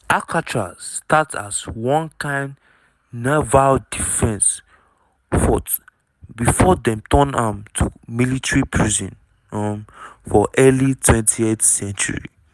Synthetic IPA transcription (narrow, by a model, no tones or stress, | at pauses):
ʔakat͡ʃazstata̰zwɔ̃nkãɪnd | navaldifɛ̃ns | fɔt | bifɔdɛ̃mtɔnamtʰumilitɹipʰɹizḭ̃n | ɔ̃mfɔʔɛlitʰwɛ̃ntʰietsɛ̃nt͡ʃṵɹḭ